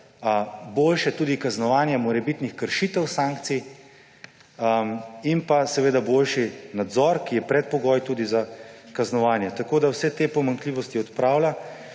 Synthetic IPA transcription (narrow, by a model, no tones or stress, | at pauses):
boːlʃɛt̪uːd̪ikaznɔʋaːnjɛmɔɾɛbit̪nixkəɾʃiːt̪ɛwsaŋk̚t̪si | inpasɛʋeːd̪aboːlʃinad̪zɔɾkijɛpɾɛt̪̚pɔɡɔːjt̪uːd̪izakaznɔʋaːnjɛt̪akoːd̪awsɛt̪eːpɔmaŋkliːʋɔst̪iɔt̪pɾaːwla